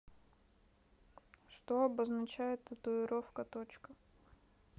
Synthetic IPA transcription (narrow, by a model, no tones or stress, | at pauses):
ʂt̪oɐbəznɐt͡ɕæjɪt̪ːət̪ʊɪɾofkət̪ot͡ɕkə